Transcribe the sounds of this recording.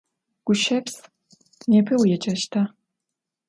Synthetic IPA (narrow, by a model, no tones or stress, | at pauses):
ɡ̥ʷʊʃɐps | neːpʰɨwijɛt͡ʃʼɐʃtʰa